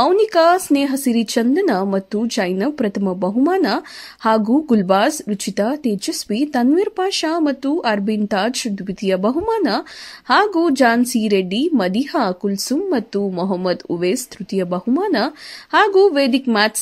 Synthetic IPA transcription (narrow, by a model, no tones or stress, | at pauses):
ɐwnikasneːɦɐsiɾit͡ʃɐnd̪ɐnɐmɐt̪ːud͡ʒɐjnɐpɾɐt̪ʰɐmɐbɐɦumaːnɐhaːɡuɡulbaːsɾit͡ʃit̪aːt̪eːd͡ʒɐsʋit̪ɐnʋiɾpaːʃaːmɐt̪ːuʔɐɾbint̪aːd͡ʒʃud̪ʱbit̪ijɐbɐɦumaːnɐhaːɡud͡ʒaːnsiːɾeɖːimɐd̪iɦɐkulsumːɐt̪ːumɔɦɐmːɐd̪ṵʋeːst̪ɾut̪ijɐbɐɦumaːnɐhaːɡuːʋeːd̪ikmaːt̪s